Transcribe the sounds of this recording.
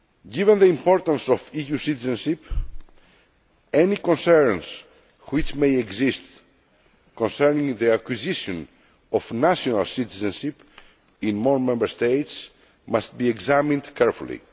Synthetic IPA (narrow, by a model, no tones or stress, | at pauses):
ɡivɛ̃nðəĩmpɔɾt̪ə̃nsɔfijusit̪izɛ̃nʃip | ɛnikɔ̃nsɛɹns | wit͡ʃmejɛɡzist̪ | kɔ̃nsɛɹnĩŋðəakwiziʃɔ̃n | ɔfnaʃɔna̰lsit̪izə̃nʃip | ĩnmɔɹmɛ̃mbəɹst̪ejt̪s | mast̪̚biɛɡzamĩnd̪kʰɛɹfṵlḭ